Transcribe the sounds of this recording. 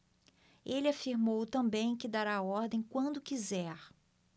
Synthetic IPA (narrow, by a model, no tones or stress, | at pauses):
elɪafiɾmowt̪ɐ̃mbẽj̃kɪd̪aɾaɔɾd̪ẽj̃kwɐ̃nd̪ʊkizɛɾ